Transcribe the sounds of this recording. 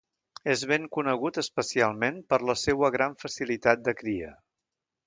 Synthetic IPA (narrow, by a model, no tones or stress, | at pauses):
ezβ̞eŋkunəɣ̞ut̪əspəsialˠmenpəɾləsewəɣɾaɱfəsilit̪at̪̚d̪əkɾiə̰